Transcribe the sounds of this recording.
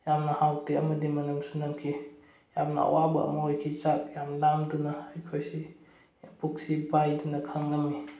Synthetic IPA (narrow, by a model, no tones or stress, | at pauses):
jamnɐhawteɐmɐdimɐnumsunɐmkʰi | jamnɐa̰wabɐɐ̰mɐojkʰit͡ʃak̚jamlamdunɐːjkʰojsi | puk̚sibajdunɐkʰaŋlami